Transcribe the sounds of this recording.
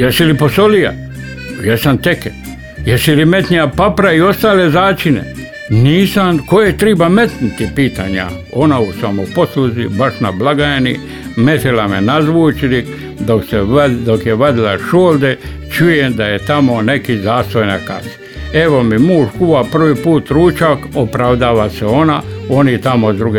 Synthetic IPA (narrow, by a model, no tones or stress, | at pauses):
jesiliposolija̰ | jesant̪eke | jesilime̞t̪nijapapɾaio̞st̪aːlezaːt͡ʃinḛ | niːsamkojet̪ɾiːbame̞t̪nit̪ipiːt̪aːɲa̰ | onausamoposluzibaʃnablaɡaenḭ | met̪ilamenazʋuːt͡ʃiɾi | d̪oksed̪okjeʋad̪ilaʃoːld̪e | t͡ʃujemd̪ajet̪amonekizaːst̪ojnaka̰a | e̞ʋo̞mimuːʃkuʋapr̩ʋipuːt̪ɾuːt͡ʃakopɾaʋd̪aːʋaseo̞nao̞nit̪amod̪ɾuɡe